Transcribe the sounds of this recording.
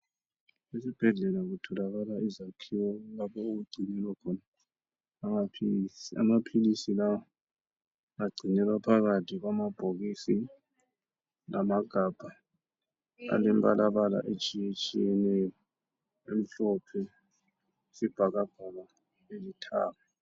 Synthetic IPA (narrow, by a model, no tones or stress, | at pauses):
esib̥ʱɛɮɛlaɣutʰɔlaɣalaizakʰiwɔlapʰɔuɣuɡ͡ǀʱinɛlwakʰɔnaː | mapʰisia̰mapʰilisilawɔ | aɡ͡ǀʱinɛlapʰaɣatʰiɣwamab̥ʱoɣisi | lamaɡ̥ʱab̥ʱa | a̰lɛmbʼalʔaβala̰ʔet͡ʃʼijet͡ʃʼijɛnɛjɔ | em̩ɬɔpʰɛ | sib̥ʱaɣab̥ʱala | elitʰa̰ːβa